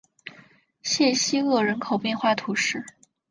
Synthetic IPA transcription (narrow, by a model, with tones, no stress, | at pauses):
ɕjɛ˥˩ɕi˥ɤ˥˩ɻə˧˥nkʰo˨˩ʊpjɛ˥˧nxwa˥˩t̪ʰu˧˥ʂɻ̩˥˩